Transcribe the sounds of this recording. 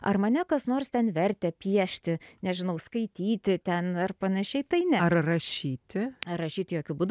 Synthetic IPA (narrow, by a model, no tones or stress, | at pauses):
ɐ̰rmɐnʲɛkɐsnoːrst̪ʲɛnʋʲɛɾʲt̪ʲɛpʲiɛʃʲt̪ʲɪnʲɛʒʲɪnɐʊskɐɪt̪ʲiːt̪ʲɪt̪ʲɛnɐrpɐnɐʃʲɛɪt̪ɐɪnʲɛɐrrɐʃʲiːt̪ʲɪɐrɐʃʲiːt̪ʲɪjoːkʲʊbuːd̪